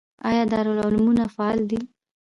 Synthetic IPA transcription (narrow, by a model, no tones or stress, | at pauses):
ɑ̰jɑd̪ɑɾʊlʊlmunafaɑld̪i